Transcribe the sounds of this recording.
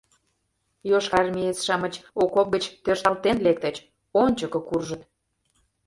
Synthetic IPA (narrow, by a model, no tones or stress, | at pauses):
joʃɑrmʲiet͡sʃɑmət͡ɕokop̚ɡət͡ɕt̪ørʃt̪ɑlt̪enlek̚t̪ə̆t͡ɕ | onʲt͡ɕəkə̆kurʒə̆t̪